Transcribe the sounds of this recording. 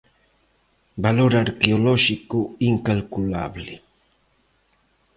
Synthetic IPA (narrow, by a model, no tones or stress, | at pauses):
baloɾaɾkeolɔʃikoiŋkalkula̰βlɪ